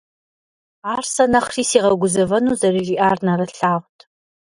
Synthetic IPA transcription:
aːrsɐnɐχriːsiːʁɐɡʷʊzɐvɐnuːzɐriʒiːʔaːrnɐrɐɬaːʁʷtʰ

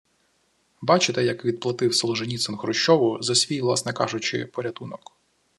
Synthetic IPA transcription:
bɑt͡ʃɪt̪ɛjɐkʋʲid̪̚plˠɐt̪ɪwsɔlˠɔʒenʲit̪sɛnxɾɔʃt͡ʃɔʋʊzɐsʲʋʲijʋlˠɑ̰snɛkɑ̰ʒʊt͡ʃɪ̰pɔɾʲɐt̪unɔk

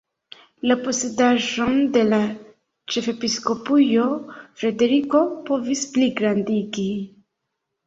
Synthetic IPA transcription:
lapo̞se̞daʒo̞nde̞la | t͡ʃe̞fe̞pisko̞pujo̞fɾe̞de̞ɾiko̞po̞vispliɡɾandiɡi

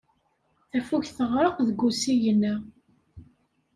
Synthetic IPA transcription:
θæfuçθəʁɾˤəqðəɡːusijənːæ

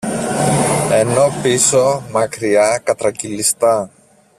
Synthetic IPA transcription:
e̞no̞pisomɐkɾiɐkɐt̪ɾɐcilist̪ɐ

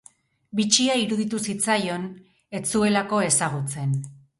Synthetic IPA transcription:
bit͡ʃiaiɾuðit̪usit͡sajo̞n | e̞t͡sue̞lako̞e̞saɣ̞ut͡se̞n

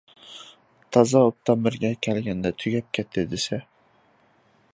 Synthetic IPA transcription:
t̪ʰɑzɑop̚t̪ʰɑmɪɾɡʲɛkʲʰɛlɡʲɛnd̪ɛt̪ʰyɡʲɛp̚kʲʰɛt̪ʰːɪd̪ɪsɛ

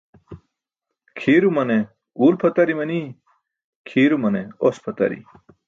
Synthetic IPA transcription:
kʰiːɾumɐne | uːlpʰɐt̪ɐɾimɐni | kʰiːɾumɐneospʰɐt̪ɐ̰ɾḭ

